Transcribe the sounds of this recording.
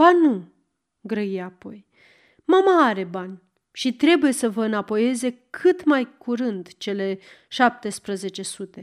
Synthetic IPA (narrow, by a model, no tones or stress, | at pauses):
banu | ɡɾəiapo̞j | mamaaɾe̞banʲ | ʃit̪ɾe̞buje̞səvəɨnapo̞je̞ze̞kʰɨt̪majkuɾɨnd̪t͡ʃe̞le̞ | ʃap̚t̪e̞spɾəze̞t͡ʃe̞sut̪e̞